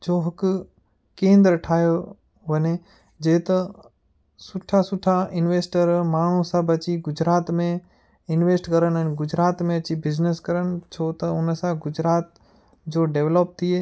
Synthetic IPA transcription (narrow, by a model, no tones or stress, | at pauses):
d͡ʒoːɦɐk | kẽːnd̪ɾəʈʰaːjo | ʋəne | d͡ʒeːt̪ɐ | sʊʈʰasʊʈʰaɪnʋeːsʈəɾmaːɳ̤̃ũsãbɐt͡ʃiɡʊd͡ʒɾaːt̪mẽ | ɪnʋeːsʈkəɾənənɡʊd͡ʒɾaːt̪mẽɐt͡ʃibɪd͡ʒneskəɾənt͡ʃʰot̪ɐʊnsãɡʊd͡ʒɾaːt̪ | d͡ʒoːɖeːʋləp̚t̪ʰie